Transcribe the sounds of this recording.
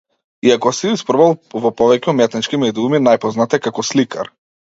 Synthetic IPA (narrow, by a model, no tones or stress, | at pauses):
iakɔsiispɾɔbalˠvɔpɔvɛcɛumɛt̪nit͡ʃkimɛd̪iuminajpɔznat̪ɛkakɔslika̰ɾ